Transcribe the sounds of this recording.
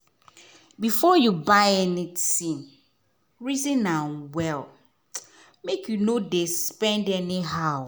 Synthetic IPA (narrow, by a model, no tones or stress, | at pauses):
bifɔjubaɪɛnitĩn | ɹizĩnãnwɛl | mekʰjunodespɛ̃ndɛniɦaʊ